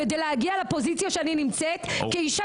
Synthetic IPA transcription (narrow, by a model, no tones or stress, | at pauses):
ed̪ejlehaɡialapo̞zit͡sjaʃeaninimt͡set̪keiʃa